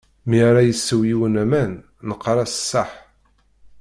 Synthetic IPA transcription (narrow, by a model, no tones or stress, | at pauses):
miɾˤajəsːəwjiwənæmæn | nəqːɾˤɑsə̥sːɑħ